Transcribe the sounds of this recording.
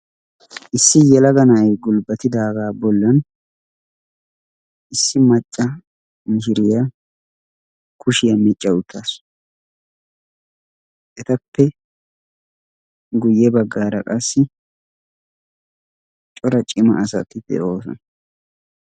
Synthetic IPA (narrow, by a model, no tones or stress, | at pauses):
ʔɪsːɪjɛlɐɡɐnɐjɡʊlbɐt̪ɪd̪aːɡaːbɔlːɐn | ʔɪsːɪmɐt͡ʃʼːɐ | mɪʃɪɾɪjɐ | kʰʊʃɪjɐmɪt͡ʃʼːɐʊt̪ʰːaːs | ʔɛt̪ɐpːɛ | ɡʊjːɛbɐɡːaːɾɐkʼɐsːɪ | t͡ʃʼɔɾɐt͡ʃʼɪmɐ̰ʔːsɐt̪ːɪd̪ɛ̰ʔo̞ːsɔ̰nɐ